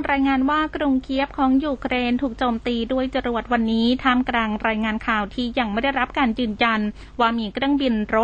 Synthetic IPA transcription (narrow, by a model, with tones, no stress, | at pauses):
ɾaː˧jŋaː˧nwaː˥˩kɾu˧ŋkʰi˦˥əp̚kʰɔː˩˦ŋjuː˧kʰɾeː˧nt̪ʰuː˨˩k̚t͡ɕoː˧mt̪iː˧du˥˩əjt͡ɕa˧ɾu˨˩ət̪̚wa˧nːiː˦˥t̪ʰaː˥˩mkɾaː˧ŋɾaː˧jŋaː˧nkʰaː˨˩wt̪ʰiː˥˩ja˧ŋma˥˩da˥˩jɾa˦˥p̚kaː˧njɯː˨˩nja˧n | waː˧miː˧kʰɾɯ˥˩əŋbi˧nɾo˦˥